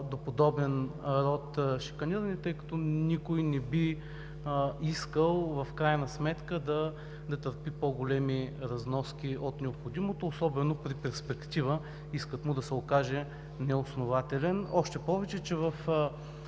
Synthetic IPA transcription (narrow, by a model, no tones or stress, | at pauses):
d̪opod̪ɔbɛnɾɔt̪ʃi̥kɐniɾɐnit̪ɤjkɐ̥t̪ɔnikojnɛbi | iskəlˠvɐfkɾajnɐsmɛt̪kəd̪ɐ | d̪ɐt̪əɾpipoɡolɛmiɾɐznɔskʲiot̪nɛopxod̪imot̪oːsɔbɛnopɾipɛɾspɛkt̪ivə | iskət̪mʊd̪ɐsɛokaʒɛ | nɛosnovat̪ɛlɛnɔʃt̪ɛpɔvɛt͡ʃɛt͡ʃɛvɐf